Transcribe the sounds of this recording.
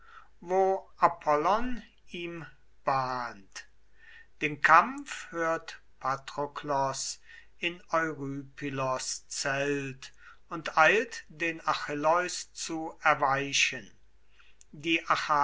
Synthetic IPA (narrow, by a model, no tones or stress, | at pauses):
voːʔapʰɔlɔn | iːm | b̥aːnt | d̥eːnkʰamfhøːɐt | pʰatʁoklɔs | ʔɪnɔʏʁyːpylɔst͡sɛlt | ʊntʔaɪltd̥eːnaxɪlɔʏst͡suɛɐvaɪʃən | diːʔaxa